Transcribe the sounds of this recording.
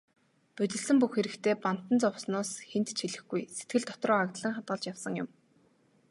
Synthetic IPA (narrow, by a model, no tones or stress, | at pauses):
pɵt̪ɘ̆ɮsɘ̆mpuxxeɾɘ̆kt̪ʰeːpan̥t̪ə̆nt͡sɔwsnʊːsxent̪t͡ɕʰiɮɘ̆xɡujset̪̚ɡɘ̆ɮt̪ʰɔ̥t̪rɔːakt̪ɮə̆ŋχat̪̚ɢə̆ɮt͡ɕjawsə̆ŋjʊ̰m